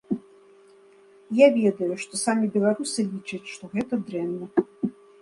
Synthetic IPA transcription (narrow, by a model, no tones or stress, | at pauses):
javʲɛd̪ɐjuʂt̪ɔsamʲibʲɛlˠaɾusɨlʲit͡ʂɐt͡sʲʂt̪ɔɣɛt̪ɐd̪ɾɛnːɐ